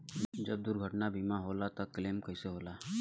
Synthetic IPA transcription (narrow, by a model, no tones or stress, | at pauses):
d͡ʒɐb̚d̪uɾɡʱəʈnabʱiːmaɦoːlat̪ɐkleːmkɐiseɦoːlaː